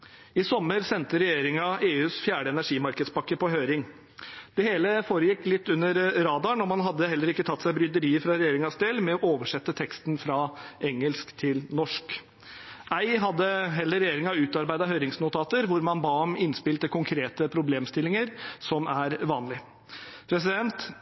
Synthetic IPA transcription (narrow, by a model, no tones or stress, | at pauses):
ɪsɔmːəɾsɛnt̪əɾɛjeːɾɪŋɑʔeːʉːsfjæːɖəɛnæʂiːmɑɾkəd̪spɑkːəpɔɦøʏɾɪŋ | d̪̥ɛheːləfoːɾəjɪkːlɪt̪ːʉnːəɾɾɑːd̪ɑɳɔmɑnɦɑd̪ːəhɛlːəɾɪkːət̪ʰɑt̪ːsæɪbɾʏd̪əɾiːəɾfɾɑɾɛjeːɾɪŋɑsd̪eːlmɛɔʔoːʋəʂɛt̪ːət̪ʰɛkst̪nfɾɑʔɛŋːəlskt̪ʰɪlnɔʂk | ʔæɪɦɑd̪ːəɦɛlːəɾɛjeːɾɪŋɑʉːt̪ɑɾbæɪd̪ɑɦœʏɾɪŋsnʊt̪ʰɑːt̪əɾʋʊɾmɑnbɑːɔmɪnspɪlt̪əkʰʊŋkʰɾeːt̪əpʰɾʊbleːmst̪ɪlːɪŋəɾsɔmæɾʋɑːnlɪ | pʰɾɛs̬ɪd̪ɛnt̪